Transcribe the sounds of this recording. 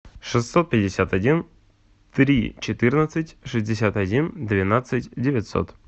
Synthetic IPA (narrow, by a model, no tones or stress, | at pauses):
ʂɨsːot̪̚pʲɪdʲɪsʲat̪ɐdʲin | t̪ɾʲḭt͡ɕɪt̪ɨrnət̪sɨtʲʂɨzʲdʲɪsʲat̪ɐdʲind̪vʲɪnat̪sɨtʲdʲɪvʲɪtʲso̰t̪